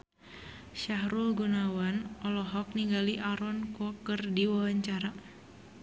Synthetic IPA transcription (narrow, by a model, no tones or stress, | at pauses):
ʃaɦɾulɡunawanɔlɔɦɔk̚niŋɡaliʔaɾɔnkɔkərdiwawaɲt͡ʃaɾa